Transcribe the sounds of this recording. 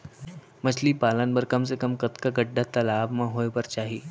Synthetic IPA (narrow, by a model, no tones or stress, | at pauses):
mət͡ʃʰliːpalənbəɾkəms̬ekəmkət̪kaɡəɖʱːat̪ɐlaːbmãɦojpəɾt͡ʃaːɦi